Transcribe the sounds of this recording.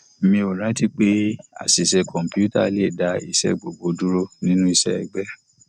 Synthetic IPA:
mĩ˧o˨ɾ̃ã˨˦ti˦k͡pe˦a̰˨si˨sɛ˧kɔ̃˨m̩˨pju˦ta̰˦˨le˦˨da˨˧i˧sɛ̰˧ɡ͡bo˨ɡ͡bo˨˦du˦ɾo˦nĩ˦nũ˦i˧sɛ˦ɛ˨ɡ͡bɛ˦

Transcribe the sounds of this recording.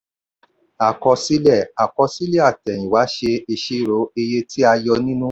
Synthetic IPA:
a˨kɔ˧si˨˦lɛ˦˨a˨kɔ˧si˦le˦a˦˨tɛ˨j̃ĩ˨wa˨˦ʃe˧i˧ʃe˦˨ɾo˨˦e˧je˧ti˦a˧jɔ˧nĩ˦nũ˦

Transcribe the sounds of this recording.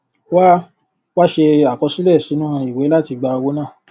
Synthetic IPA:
wa˦ | wa˦ʃe˧a˨kɔ˧su˦lɛ˦˨si˨˦nũ˦˧i˨we˨˦la˦ti˧ɡ͡ba˧wo˦nãː˦˨

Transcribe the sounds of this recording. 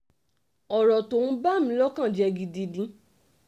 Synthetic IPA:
ɔ˨ɾɔ˨to˨nũ˦ba˦˨mĩ˨˦lɔ˦kã˦˨d͡ʒɛ˧ɡi˧di˧dĩ˧˦

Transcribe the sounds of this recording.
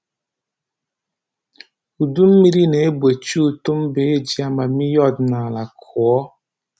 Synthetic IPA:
u˨du˦m̩˦mi˦ɾi˦ne˨e˦be˨t͡ʃu˦˨tu˦m̩˦be˨˦e˦d͡ʒi˦a˦ma˨mi˦jɔ˦˨dna˨la˨kʰu˨ɔ˦

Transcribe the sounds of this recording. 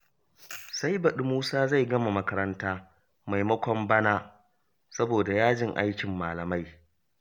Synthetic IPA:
sa˦jbɐ˨ɗɪ˦muː˦saː˦za˦˨jɡɐ˦ma˨mɐ˦kɐ˦ɾɐ˦ntaː˦ | ma˨jmɐ˦kʷɔ˦mbɐ˦naː˦ | sɐ˦boː˨da˨jaː˦d͡ʒɪ˦ŋʔa̰˦jkʲɪ˨mːaː˨lɐ˨ma˦j

